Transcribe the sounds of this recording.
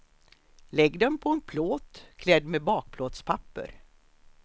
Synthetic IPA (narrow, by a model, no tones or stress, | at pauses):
lɛɡd̪ɛnpʰɔɛnpʰloːt̪kʰlɛd̪ːmebɑːk̚pʰloːt̪spʰapːə̰ɾ